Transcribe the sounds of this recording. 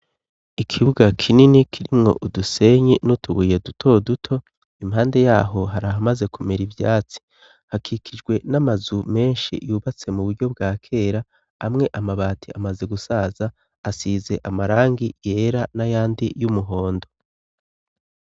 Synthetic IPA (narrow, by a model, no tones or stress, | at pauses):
ikʰiβuɡakʰininikʰiɾimŋo̞̰ʔuduse̞ɲinutʰuɡuːje̞dutʰo̞dutʰo̞ | imhaːnde̞jaːɦo̞ɦaɾaɦamazekumeɾivjaːt͡si̥ | hakʰikʰid͡ʒɡwe̞namazume̞ːnʃḭjuːβat͡se̞muβuɾɟo̞b̚ɡaːkʰe̞ːɾa | amŋe̞ʔamaβaːtʰiamaze̞ɡusaːzaː | siːze̞ʔamaɾaːŋɡije̞ɾanajaːndḭjumuɦo̞ːndo̞